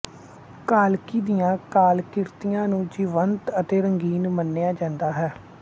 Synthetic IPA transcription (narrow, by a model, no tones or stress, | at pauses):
kaːlkiːd̪ɪjãːkaːlkɪɾt̪ijãːnũːd͡ʒiʋənt̪ət̪eːɾəŋɡiːnmənːejaːd͡ʒãːnd̪aːɦɛː